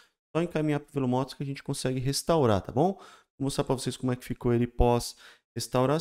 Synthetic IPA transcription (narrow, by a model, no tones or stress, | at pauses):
sɔẽkamĩɲapɾʊpelʊmɔt̪ʊ̥skɪaɐʒẽnt͡ʃɪ̥kõsɛɡɪɦest̪awɾa̰t̪a̰bõw̃võmʊsapɾɐvoseskõmʊɛkɪ̥fikoelɪpɔshest̪awɾa